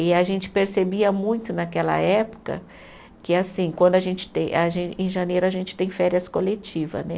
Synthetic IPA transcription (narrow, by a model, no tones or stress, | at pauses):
ɪaʒẽnt͡ʃɪ̥peɾsebiɐmũj̃t̪ʊnakɛlɐ̰ɛpʊ̥kɐ̰ | kɪasĩkwɐ̃nd̪ʊaʒẽnt͡ʃɪ̥t̪ẽj̃aʒẽẽj̃ʒanejɾʊaʒẽnt͡ʃɪ̥t̪ẽj̃fɛɾiɐskolet͡ʃivɐ̰znɛ̰